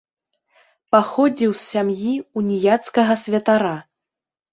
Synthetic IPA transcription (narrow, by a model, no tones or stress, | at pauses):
paxɔd͡zʲiwsːʲamjiunʲijat̪skɐɣɐsʲvʲɐt̪aɾa